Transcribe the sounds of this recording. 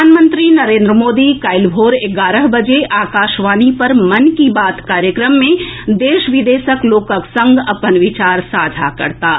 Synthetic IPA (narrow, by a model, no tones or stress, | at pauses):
aːnmə̃nt̪ɾinɐɾẽːnd̪ɾəmoːd̪ikaːɪlbʱoːɾɪɡaːɾəɦbɐd͡ʒeʔaːkaːʃʋaːnipɐɾmɐnkibaːt̪kaːɾjəkɾəmːẽd̪eːʃʋɪd̪eːʃəkloːkəksɐ̃ŋɡɐpənʋɪt͡ʃaːɾsaːd͡ʒʱa̰kɐ̰ɾt̪aː